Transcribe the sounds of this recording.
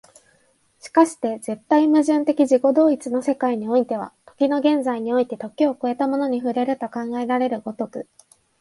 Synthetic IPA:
ɕi̥kaɕi̥t̪e̞ze̞t̪ːaimɯ̟ʑɨ̃nt̪e̞kʲid͡ʑiko̞d̪o̞ːit͡sɨno̞se̞kaiɲ̟io̞it̪e̞β̞a̰t̪o̞̥kʲino̞ɡẽ̞nzaiɲ̟io̞it̪e̞t̪o̞kʲio̞ko̞e̞t̪amo̞no̞ɲ̟iɸɯ̟ɾe̞ɾɯ̟t̪o̞kãŋɡae̞ɾaɾe̞ɾɯ̟ɡo̞t̪o̞kɯ̟

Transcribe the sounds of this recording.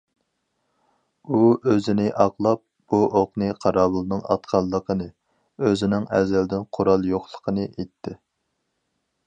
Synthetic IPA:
uøzɪnɪʔɑqlˠɑp̚b̥uʔoqnɨqʰɑɾɑːbɨlˠnɨŋɑ̰t̪qʰɑlˠːəqʰənɨ | øzɪnɪŋɛzɛld̪ɪnqʰoɾɑlˠjoχlˠə̥qʰənɨʔet̪ʰːɪ

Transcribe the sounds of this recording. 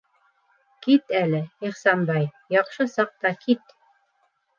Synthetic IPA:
kit̪ælɘiχsɑmbɑj | jɑqʃɤsɑq̚t̪ɑkit̪

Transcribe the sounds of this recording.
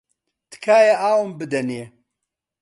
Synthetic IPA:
t̪kʰaːjɐʔaːwɨmbɨd̪ɐne

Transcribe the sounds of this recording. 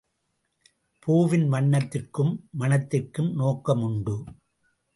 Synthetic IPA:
pʰuːʋɪnmɐɳːɐt̪ːɪrkɯmːɐnɐt̪ːɪrkɯmnoːkːɐmʊɳɖɯ

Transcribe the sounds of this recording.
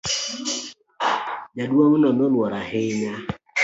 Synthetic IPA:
ɲaduoŋunɔnʊlɔɾaɦɪɲa

